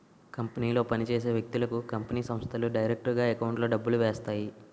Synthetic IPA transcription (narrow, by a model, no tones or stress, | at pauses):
kɐmpɐniːlo̞ːpɐnit͡ʃeːs̬e̞ːʋjɐk̚t̪ulɐkukɐmpɐniːsɐmst̪ʰɐluɖɐjɾek̚ʈɐɾɡaːekɐwɳʈloːɖɐbːuluʋɛːst̪aːji